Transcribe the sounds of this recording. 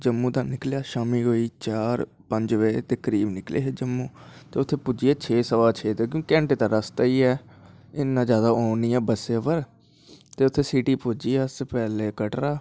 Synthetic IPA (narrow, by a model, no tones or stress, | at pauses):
d͡ʒəmːũːd̪ãːnɪklejaːʃaːmiːɦoːiːt͡ʃaːɾ | pəɲd͡ʒʋeːt̪eːkəɾiːbnɪklḛːɦeːd͡ʒəmːuːt̪eːʊt̪ʰːeːpud͡ʒiːɛːt͡ʃʰeːsəʋaːt͡ʃʰeːt̪ekjõːɛ̃ːɳʈeːt̪ãːɾəst̪aːiːɛː | ɪnːãːzjaːd̪aːoːniːɛːbəseːʋəɾ | t̪eːʊt̪ʰːeːsiːʈiːpud͡ʒiːɛːəspɛːleːkəʈɾaː